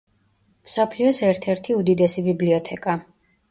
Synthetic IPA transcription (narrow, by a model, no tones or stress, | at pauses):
msɔpʰliɔsɛɾt̪ʰɛɾt̪ʰiud̪id̪ɛsibibliɔt̪ʰɛkʼa